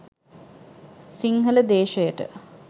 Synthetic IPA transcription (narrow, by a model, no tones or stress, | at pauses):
siŋɦələd̪eːʃəjəʈə̰